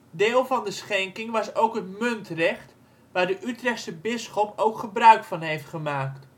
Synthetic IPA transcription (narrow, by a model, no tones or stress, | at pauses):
dɪːlˠvɑndəsχɛŋkɪŋʋɑsowkɦətmɵntrɛχt | ʋaːrdəʔytrɛχsəbɪsχɔpowkχəbrœɥkfɑnɦejftχəmaːkt